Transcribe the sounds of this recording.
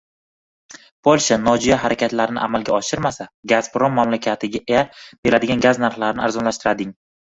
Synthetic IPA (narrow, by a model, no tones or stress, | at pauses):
pʰolʲˠʃanɒd͡ʒijaɦaɾakʲʰat̪laɾɪnɪʔamalˠɡʲaɒʃɪɾmasaɡazpɾomːamlakʲʰat̪ʰɪɡʲaab̥e̞lad̪ɪɡʲanɡaznaɾχlaɾɪnɪaɾzɒnlaʃt̪ɪɾad̪ɪŋ